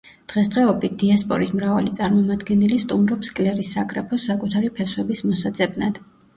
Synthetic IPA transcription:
d̪̥ʁɛsd̪ʁɛɔbit̪̚d̪̥iaspʼɔɾismɾavalit̪sʼaɾmɔmad̪ɡɛnilist̪ʼumɾɔpskʼlɛɾisːakʼɾɛpʰɔsakʼut̪ʰaɾipʰɛswɛbismɔsad̪z̥ʼɛbnad̪̥

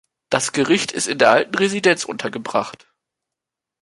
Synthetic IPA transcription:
d̥asɡ̥əʁɪçtʰɪstɪndeːɐʔaltn̩ʁezidɛnt͡sʔʊ̰ntʰɐɡəbʁa̰χt

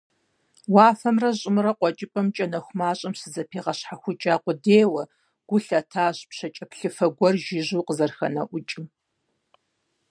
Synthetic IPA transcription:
waːfɐmrɐɕʼɪmɨɾɐqʷɔt͡ʃʼɪpʼɐmt͡ʃʼɐnɐxʷʊmaːɕʼɐmsɨzɐpʰeːʁɐɕħaxʷʊt͡ʃʼaːqʷʊdeːwɐ | ɡ̥ʷʊɬɐtʰaːɕpɕɐt͡ʃʼɐpɬɨfɐɡʷɔrʒɪʑuːqəzɐrxɐ̰nɐʔʷʊt͡ʃʼɪm

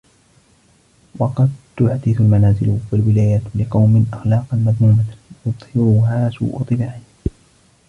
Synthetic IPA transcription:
wɑqɑd̪t̪ʊʕad̪ɪθʊlmanaːzɪlwalwɪlaːjat̪lɪqɑwmɪnʔaxlɑːqɑnmad̪ˤmuːmajʊðˤhɪɾʊɦaːsṵːʔʊ̰t̪ˤːɨbaːʕɪn

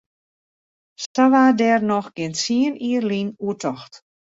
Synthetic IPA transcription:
staʋadɛrnɔxɡ̥ɪntsiəniərlinuətʰɔxt

